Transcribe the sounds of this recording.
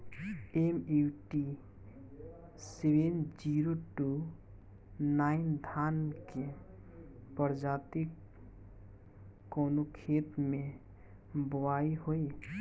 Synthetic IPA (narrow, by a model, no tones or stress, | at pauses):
emewʈi | sewend͡ʒiːɾoʈu | naːɪnd̪ʱaːnke | pəɾd͡ʒaːt̪ik | oːnokʰeːt̪mẽ | bəwaːiɦoe